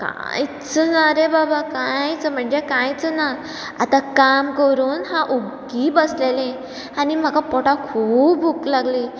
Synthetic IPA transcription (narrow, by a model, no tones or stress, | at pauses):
ka̰jt͡sənaɾebabakajt͡səm̤əɳd͡zekãjt͡səna | at̪akamkəɾuːnɦãʔoɡibəslelẽ | anim̤akapɔʈakʰuːbuklaɡli